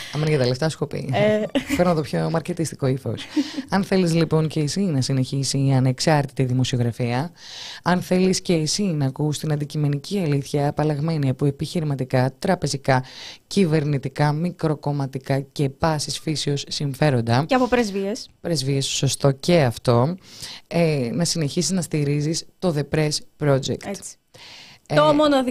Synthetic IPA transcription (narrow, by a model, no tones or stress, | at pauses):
ɐmenʝɐt̪eleft̪ɐsko̞pḭpeɾnɐt̪opço̞mɐɾce̞t̪ist̪i̥ko̞ifo̞̰sɐnθe̞lizlipo̞nce̞ːsinɐsine̞çisiɐne̞ksɐɾt̪it̪iðimo̞sio̞ɣɾɐfiɐɐnθe̞lisce̞ːsinɐːkust̪inɐnd̪icime̞niciɐliθçɐːpɐlɐɣme̞niɐpue̞piçiɾimɐt̪ikɐt̪ɾɐpe̞zikɐcive̞ɾnit̪ikɐmikɾo̞ko̞mɐt̪ikɐce̞pɐsisfisio̞sːiɱfe̞ɾo̞nd̪ɐɐpopɾezviespɾezviesso̞st̪o̞ce̞ɐft̪o̞ | enɐsine̞çisiznɐst̪iɾizist̪o̞ðe̞pɾe̞spɾo̞d͡ʒḛktt̪ | omono